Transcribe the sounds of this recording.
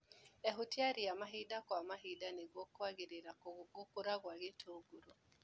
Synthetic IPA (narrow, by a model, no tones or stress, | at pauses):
eɦutjaɾijamaɦidakwamaɦidaneɣwɔkwaɣeɾeɾaɡokoɾaɣwaɣetʰoːɡuɾo